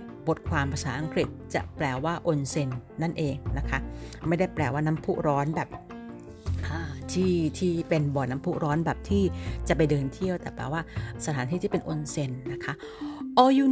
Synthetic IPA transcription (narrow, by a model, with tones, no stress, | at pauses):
bo˨˩t̪̚kʰwaː˧mpʰa˧saː˩˦ʔa˧ŋkɾi˨˩t̪̚t͡ɕa̰˨˩plɛː˧waː˥˩ʔo˧nse˧nːa˥˩nʔeː˧ŋna˦˥kʰa˦˥ma˥˩jda˥˩jplɛː˧˩waː˥˩na˦˥mpʰuː˦˥ʔɾɔː˦˥nbɛː˨˩p̚ | ʔaː˧˩t̪ʰiː˥˩t̪ʰiː˥˩pe˧nbɔː˨˩na˦˥mpʰuː˦˥˩ɾɔː˦˥nbɛː˨˩p̚t̪ʰiː˥˩t͡ɕa˨˩pa˧jdɤː˧nt̪ʰi˥˩əwt̪ɛː˨˩plɛ̰ː˧˩waː˥˩sa˧t̪ʰaː˨˦t̪ʰiː˥˩t̪ʰiː˥˩pe˧nʔo˧nse˧nːa˦˥kʰa˦˥ʔ | ʔɔː˧juː˨˩